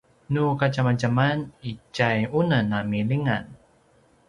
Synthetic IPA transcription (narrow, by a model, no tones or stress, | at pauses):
nukat͡ʃamat͡ʃamanit͡ʃajunənamiliŋan